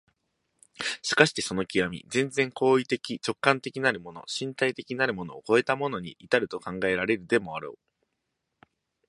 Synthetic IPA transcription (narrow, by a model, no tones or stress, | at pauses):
ɕi̥kaɕi̥t̪e̞so̞no̞kʲiɡamʲḭd͡zẽnd͡zẽ̞ŋko̞ːit̪e̞kʲit͡ɕo̞kːãnt̪e̞kʲinaɾɯ̟mo̞no̞̰ɕĩnt̪ait̪e̞kʲinaɾɯ̟mo̞no̞ːko̞e̞t̪amo̞no̞ɲ̟ḭʔːt̪aɾɯ̟t̪o̞kãŋɡae̞ɾaɾe̞ɾɯ̟d̪e̞mo̞aɾo̰ː